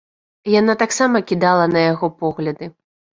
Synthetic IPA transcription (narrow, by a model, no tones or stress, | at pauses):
janat̪aksamɐkʲid̪alˠɐnɐjaɣɔpɔɣlʲɐd̪ɨ